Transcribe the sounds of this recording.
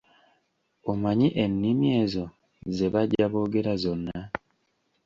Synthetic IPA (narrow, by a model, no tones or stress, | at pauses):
omaɲiʔenːimje̞ːzo̞ | ze̞βaɟːaβo̞ːɡe̞ɾazo̞nːa